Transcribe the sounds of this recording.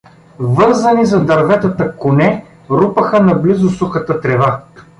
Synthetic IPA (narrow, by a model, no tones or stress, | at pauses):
vɤɾzɐnizɐd̪ɐɾvɛt̪ət̪əkʊnɛ | ɾupəxənɐblizʊsuxət̪ət̪ɾɛva